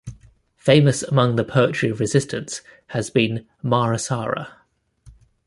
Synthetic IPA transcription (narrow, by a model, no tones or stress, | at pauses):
feɪ̃məsəmʌ̃ŋðəpʰɜˑt͡ʃɹ̥ivɹɪzɪstʰə̃ns | həzbĩn | mɑːɹəsɑːɹə̰